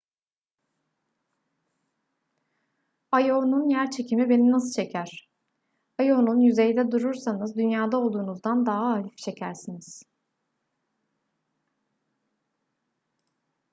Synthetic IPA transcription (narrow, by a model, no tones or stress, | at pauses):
ajonunjæɾt͡ʃʰe̞cʰimibe̞ninasɯ̥t͡ʃʰe̞cʰæɾ̥ | ajo̞nunjyze̞jid̪ɛd̪uɾuɾsanɯzd̪ynjaːd̪ao̞lˠd̪uːnuzd̪and̪aɦaːlʲift͡ʃʰe̞cʰæɾsiniz̥